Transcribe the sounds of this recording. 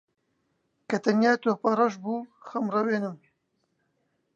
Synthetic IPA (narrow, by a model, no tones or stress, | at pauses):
kɐt̪ɐnjaːt̪oːpɐrɐʒbuːxɐmrɐweːnɨm